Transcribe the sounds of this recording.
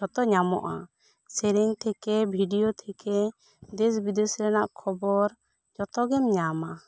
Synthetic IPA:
ɔt̪ɔɲamɔ̰ʔa̰ | sɛɾɛɲt̪ʰɛkɛbʱiɖijɔt̪ʰɛkɛ | d̪ɛsbid̪esɾɛnaʔkʰɔbɔɾ | d͡ʒɔt̪ɔɡɛmɲama

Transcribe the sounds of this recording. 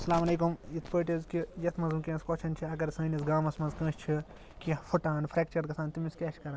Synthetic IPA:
ɐsɐlaːmɐleːkumit̪ʰpəːʈizkijɐt̪ʰmɐzumkʲẽːskoːt͡ʃʰɐnt͡ʃʰiɐɡɐɾsɐːnʲisɡaːmɐsmɐzkɐ̃ːʃʰt͡ʃʰi | kifʰuʈaːnpʰɾeːk̚t͡ʃɐɾkɐsaːnt̪imiskʲeːt͡ʃʰkɐɾɐ

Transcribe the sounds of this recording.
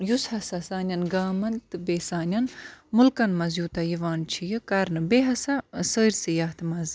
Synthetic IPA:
jushɐsɐsaːnʲjɐnɡaːmɐnt̪ɨbeːsaːnʲɐnmʊlkɐnmɐzjuːt̪ɐjiʋaːnt͡ʃʰijɨkɐɾnɨbeɦɐsɐsəːɾʲsijaːht̪ʰmɐz

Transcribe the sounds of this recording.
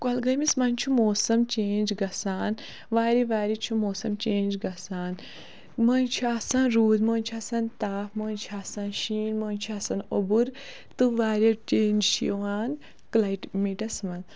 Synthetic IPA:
kɐlɡɐjmismɐnʲt͡ʃʰumoːsɐmt͡ʃeːnd͡ʒɡɐsaːn | ʋaːɾiʋaːɾit͡ʃʰumoːsɐmt͡ʃeːnd͡ʒɡɐsaːn | mɐnt͡ʃʰuasɐnɾuːd̪moːnʲt͡ʃʰuɐsɐnt̪aːfmoːnt͡ʃʰuasɐnʃiːnmoːnt͡ʃʰuasɐnobuɾ | t̪ɨʋaːɾjɐt͡ʃeːnd͡ʒʃiwaːn | klɐjʈmiːʈɐsmɐn

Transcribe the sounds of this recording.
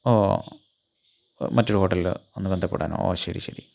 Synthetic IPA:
oː | mɐtːoɽɨho̞ːʈːɐllo̞nːɨbe̞nd̪ʱɐpːḛɽaːno̰ːo̰ːɕɐɾiɕɐɾi

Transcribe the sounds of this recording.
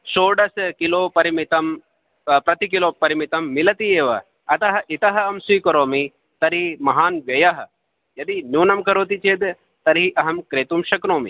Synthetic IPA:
ʃoːɖɐskiloːpɐɾimit̪ɐm | pɾɐt̪ikiloːpɐɾimit̪ɐmːilɐt̪ieːʋɐ̰ | ɐt̪ɐɦɐ̆ʔit̪ɐɦɐɐmsiːkɐɾoːmi | t̪ɐɾimɐɦaːnʋjɐjɐɦɐ̆ | jɐd̪injuːnɐmkɐɾoːt̪it͡ʃeːd̪ | t̪ɐɾiʔɐɦɐmkɾeːt̪umʃɐkɾoːmḭ

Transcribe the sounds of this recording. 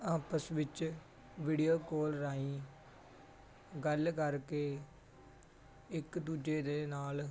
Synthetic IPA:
aːpəsʋɪt͡ʃ | ʋiːɖijoːkoːlɾaːĩː | ɡəlkəɾkeː | ɪkd̪uːd͡ʒeːd̪eːnaːl

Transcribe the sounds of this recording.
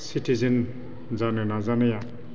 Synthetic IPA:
siʈʰizen | zanunazanɯja

